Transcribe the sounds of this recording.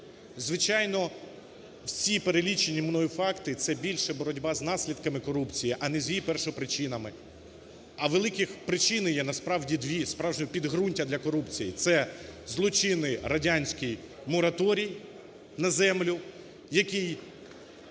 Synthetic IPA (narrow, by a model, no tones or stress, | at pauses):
zʋɪt͡ʃɑjnɔ | wsʲipeɾelʲit͡ʃenʲːimnɔjifɑkt̪ɪt̪sɛbʲilʲʃɛbɔɾɔdʲbɑznɑsʲlʲid̪̚kɐmɪkɔɾupt͡sʲijiʔɐnɛzʲjipɛrʃɔpɾɪt͡ʃɪnɐmɪ | ɐʋelˠɪkɪxpɾɪt͡ʃɪnjɛnɐspɾɑwdʲid̪ʋʲispɾɑwʒnʲɔpʲid̪ɦɾunʲtʲɐd̪lʲɐkɔɾupt͡sʲijit̪sɛzlˠɔt͡ʃɪnɪɾɐdʲanʲsʲkɪj | mɔɾɐt̪ɔɾʲij | nɐzɛmlʲʊ | jɐkij